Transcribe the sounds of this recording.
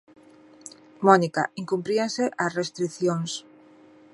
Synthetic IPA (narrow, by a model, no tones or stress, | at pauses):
mɔnika̰iŋkumpɾiaŋseʔasrest̪ɾiθjoŋs